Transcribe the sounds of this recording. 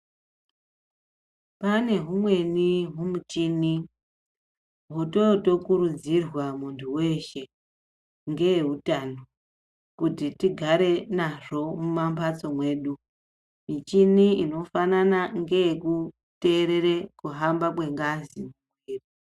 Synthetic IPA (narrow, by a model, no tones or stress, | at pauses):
pane̞ɦumwe̞niɦumut͡ʃini | ɦuto̞to̞kuɾud͡zirwamuntʰuwe̞ʃe̞ | ŋɡe̞jeɦutano | kutitiɡʱaɾe̞naʐo̞mumambat͡so̞mwe̞ːɗu | mit͡ʃiniino̞fananaŋɡe̞jeku | te̞ːɾe̞rekuɦambakwe̞ŋɡazimuɡʱweːri